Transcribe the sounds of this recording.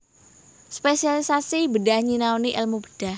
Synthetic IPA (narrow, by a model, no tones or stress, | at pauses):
spesialisasibədahɲinaoniʔɛlmubəd̥ah